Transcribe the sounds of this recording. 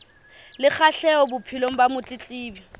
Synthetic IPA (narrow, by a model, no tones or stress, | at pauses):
lɪk͡xʰaɬɛɔbʊpʰiloŋ̩bamʊt͡ɬʼɪt͡ɬʼiːbjɔ